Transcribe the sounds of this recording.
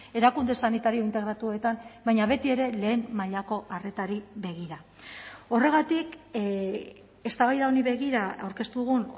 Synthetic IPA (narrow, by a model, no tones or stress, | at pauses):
e̞ɾakund̪e̞sanit̪aɾio̞int̪e̞ɣɾat̪ue̞t̪ambajɲaβe̞t̪ie̞ɾe̞le̞ːmmaʎako̞ʔare̞t̪aɾiβe̞ɣ̞iɾa | o̞re̞ɣat̪ik | e̞st̪aβajðaoniβe̞ɣiɾaawɾke̞st̪uðuɣ̞un